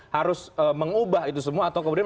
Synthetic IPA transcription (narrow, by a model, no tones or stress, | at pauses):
haɾʊsəməŋubaɦit̪usəmuaːt̪awkəmudian